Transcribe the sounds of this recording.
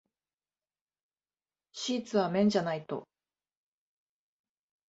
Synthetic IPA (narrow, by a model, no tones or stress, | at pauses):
ɕiːt͡sɨβamẽ̞ɲ̟d͡ʑanait̪o̞̰